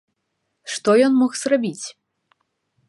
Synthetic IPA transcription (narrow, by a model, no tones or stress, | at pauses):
ʂt̪ɔjɔnmɔxz̥rabʲit͡sʲ